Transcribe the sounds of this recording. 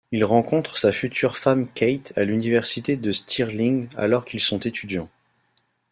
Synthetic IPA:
ilʁɑ̃kɔ̃t̪χəsafyt̪ʰyʁfamkʲɛjt̪ʰalynivɛʁsit̪ed̪əst̪ʰiʁlĩŋɡa̰lɔʁkʲilsɔ̃t̪et̪ʰyd̪jɑ̃

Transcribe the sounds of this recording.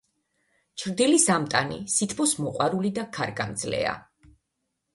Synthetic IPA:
t͡ʃʰɾd̪ilisamt̪ʼanḭsit̪ʰbɔsmɔqʼwaɾulid̪akʰaɾɡamd̪zlɛ̰a̰

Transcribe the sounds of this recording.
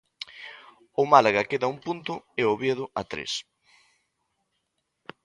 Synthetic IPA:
ʊmalaɣakeðɐuŋpunt̪ʊeoβjeðʊʔa̰t̪ɾḛs

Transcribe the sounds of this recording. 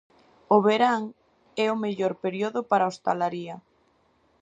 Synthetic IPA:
oβeɾaŋ | ɛomeʎoɾpeɾjoðʊpaɾaost̪alaɾiɐ

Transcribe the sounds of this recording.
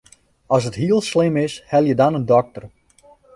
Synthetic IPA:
ɔs̬ətɦiəlˠslɪmɪshɛlˠjədɔnəndɔk̚tər

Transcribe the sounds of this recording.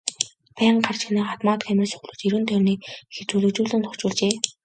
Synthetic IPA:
pæːɴɢar̥t͡ɕxniːχat̪maːt̪xæmʲɪ̆rsɵ̥xɮŭ̥ːt͡ɕiɾɘ̆ːnt̪ʰœːrniːkxet͡suɮɵ̆t͡ɕuːɮɘ̆nt̪ʰʊ̥kt͡ɕʊːɮt͡ɕeː

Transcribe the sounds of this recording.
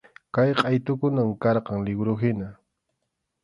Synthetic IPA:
kajqʼɑjt̪ʊkʊnaŋkɑɾqɑŋlɪɡɾʊɦɪna

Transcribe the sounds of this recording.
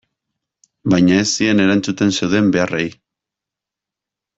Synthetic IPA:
bajɲae̞siene̞ɾant͡sut̪e̞nse̞wðe̞mbe̞arej

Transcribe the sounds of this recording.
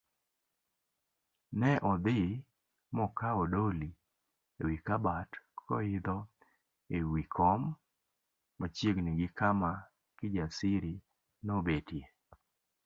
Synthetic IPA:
nɛʔɔd̪ɪ | mɔkaɔdoli | ḛwikabatkɔɪd̪ɔ | ewikʰɔm | at͡ʃjeɡniɡɪkama | kɪd͡ʒasɪɾi | nobetje

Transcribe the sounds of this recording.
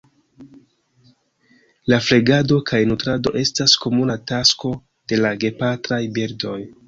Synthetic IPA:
lafle̞ɡado̞kʰajnutɾado̞̰ʔe̞stasko̞munatasko̞ | d̥e̞laɡe̞patɾajbiɾdo̞j

